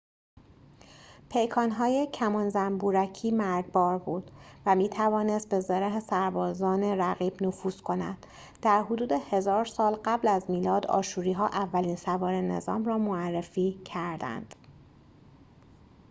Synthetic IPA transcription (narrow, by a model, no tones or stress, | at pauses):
pʰe̞jkʰɒːnɦɒːjecʰæmɒnzæmbuːɾæcʰiːmæɾɡ̪̚bɒːɾbuːd̪̥væmiːt̪ʰævɒːne̞st̪̚be̞zeɾeɦesæɾbɒːzɒːneɾæɣiːb̥nofuːz̥kʰo̞næ̰d̪̥ | d̪̥æɾɦod̪uːd̪ehe̞zɒːɾsɒːlɢæblæzmiːlɒːd̪ɒ̰ːʃuːɾiːɦɒːʔævːæliːnsævɒːɾene̞̰zɒ̰ːmrɒːmoærːefiːcʰæɾd̪æ̰nd̪̥